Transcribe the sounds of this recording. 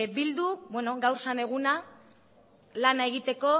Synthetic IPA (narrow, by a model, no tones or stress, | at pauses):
bild̪ubweno̞ɡawɾsane̞ɣuna | lanae̞ɣ̞it̪e̞ko̞